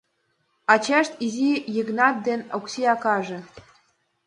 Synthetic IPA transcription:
ɑt͡ɕɑʃt̪izijiɡnɑt̪̚d̪enʲoksʲiɑkɑʒɤ̆

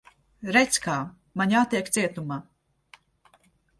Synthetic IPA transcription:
ɾɛt̪skaː | maɲat̪ːiɛkt̪siɛt̪umaː

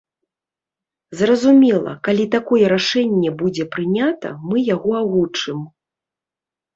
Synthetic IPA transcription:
zrɐzumʲɛlˠɐ̰kalʲit̪akɔjɛɾaʂɛnʲːɛbud͡zʲɛpɾɨnʲat̪ɐ̰mɨjaɣɔaɣut͡ʂɨm

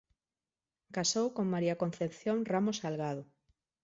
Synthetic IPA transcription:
kasowkoŋmaɾiakon̟θepθjoŋramosalɣað̞o

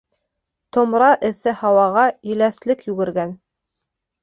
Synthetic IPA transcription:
t̪ŏmɾɑʔɘ̆θɘhɑwɑʁɑjɘ̆læθlɘkjʉɡɘ̆ɾɡæn

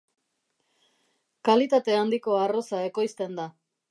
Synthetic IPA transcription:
kalit̪at̪e̞and̪iko̞aro̞sae̞ko̞jst̪e̞nd̪a

